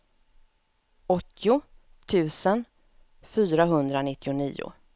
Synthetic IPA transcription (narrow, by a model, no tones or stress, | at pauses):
ɔt̪ʰːɪʊ | t̪ʰʉ̟ːsən | fyːɾaɦɵnd̪ɾanɪt̪ʰːɪʊnḭːʊ̰